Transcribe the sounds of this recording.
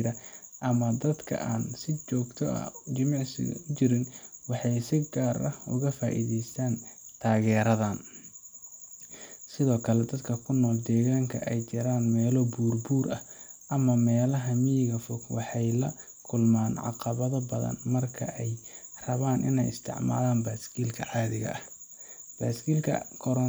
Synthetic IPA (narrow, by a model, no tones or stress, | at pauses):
ɾɐʔɐmɐd̪ɐd̪kʰɐ̰ʔaːnsɪt͡ʃɔːɡt̪ʰɔɐ̰t͡ʃɪmɑʕsɪ̰ɣɐ̰ʊt͡ʃɪɾɪnwɑħɑjsɪɡaːɾɐ̰ʊɣɐfaːʔḭðɛjst̪ʰaːnt̪ʰaːɣɛːɾɐðaːn | sɪðɔːkʰɐlɛd̪ɐd̪kʰɐkʰʊnɔːld̪ɛːɣaːŋkʰɐʔɛjt͡ʃɐɾaːnmɛːlɔbuːrbuːɾʔɐhʔɐmɐmɛːlɐɦɐmijɣɐfɔkwɑħɑjlɐ | kʰʊlmaːnʕɑ̰qɑβɐðɐbɐðɐ̰nmɐrkʰɐ̰ʔɛjrɐβaːnʔɪ̰nɛ̰jɪ̰st̪ʰɪ̰ʕma̰ːlaːnbaːskʰiːlkʰɐʕɑːðɪɣɐ̰ʔɐh | b̥aːskiːlkʰɐ̰kʰɔɾɔ